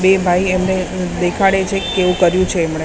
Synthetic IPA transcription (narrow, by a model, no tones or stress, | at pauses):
bebʱaiemned̪ekʰaɽet͡ʃʰekeʋũkəɾjũt͡ʃʰeːmɳ̃e